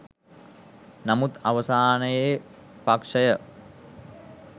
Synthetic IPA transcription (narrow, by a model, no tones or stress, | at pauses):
namut̪aʋəsaːnəje | pakʂəjə